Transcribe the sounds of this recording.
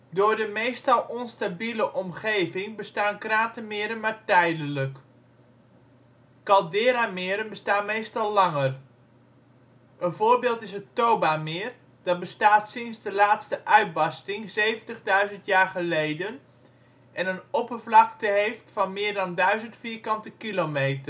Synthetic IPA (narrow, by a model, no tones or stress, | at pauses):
dʊːɹdəmejstɑlˠʔɔnstabiləʔɔmχejvɪŋbəstaːnkraːtəmɪəɾənmaːɹtɛjdənlək | ɑlˠdɪːɾamɪːɾənbəstaːnmejstɑlˠlɑŋər | ʔənvoːɹbɪːlˠtɪsətowbamɪːr | d̥ɑt̚bəstaːtsɪnsdəlaːtstəʔœɥd̚bɑstɪŋzejvəntəχdœɥzəntjaːɹχəlejdən | ʔɛnənɔpərvlɑktəɦejftfɑnmɪːɹdɑndœɥzəntfiːrkɑntəkilomejtə